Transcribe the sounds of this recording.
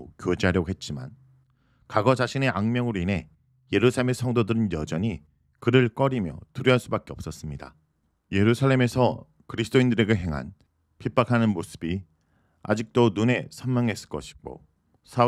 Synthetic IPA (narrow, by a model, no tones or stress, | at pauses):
kjod͡ʑiɦaɾjʌɡɦe̞t̚t͡ɕ͈ima̰n | kaɡʌd͡ʑaɕʰine̞ʔaŋmjʌŋɯɾoine̞ | je̞ɾusʰaɭemesʰʌŋdodɯɾɯnjʌd͡ʑʌɲi | kɯɾɯɭk͈ʌɾimjʌ̰tuɾjʌɦaɭs͈ubak͈e̞ʌp̚s͈ʌs͈ɯmɲida̰ | je̞ɾusʰaɭːe̞me̞sʰʌ | kɯɾisʰɯ̥t͈oindɯɾeɡeɦe̞ŋɦa̰n | pʰip͈akʰanɯnmosʰɯ̥bi | a̰d͡ʑik̚t͈onune̞sʰʌnmjʌŋɦe̞s͈ɯ̥ɭk͈ʌɕʰi̥ɡo̰ | sʰa